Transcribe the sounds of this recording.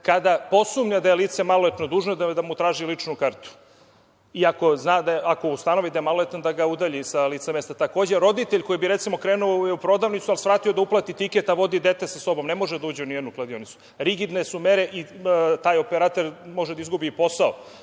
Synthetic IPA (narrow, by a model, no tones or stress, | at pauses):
kad̪apo̞sumɲad̪ajeliːt̪semaloet̪nod̪uːʒnod̪ad̪amut̪ɾaːʒilit͡ʂnukaɾt̪u̥ | iako̞znaːd̪aʔako̞ust̪ano̞ʋid̪ajemalˠoet̪nod̪aɡaud̪aʎisaliːt̪seme̞st̪at̪akoːd͡ʑe̞ɾo̞d̪it̪eʎko̞jibiɾet̪simo̞kɾeːnuojeupɾo̞d̪aːʋnit̪sualˠsʋɾaːt̪iod̪auplˠat̪it̪iket̪aʋo̞d̪id̪et̪esaso̞bo̞mne̞mo̞ʒed̪auːd͡ʑeunied̪nuklˠad̪io̞nit̪su̥ | ɾiɡid̪ne̞sumeɾe̞ʔit̪aːjo̞peɾat̪e̞ɾmo̞ʒed̪aizɡubiːpo̞sao